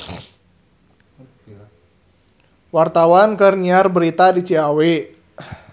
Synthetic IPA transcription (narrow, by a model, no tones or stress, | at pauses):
wart̪awankərniarbəɾit̪adit͡ʃiawe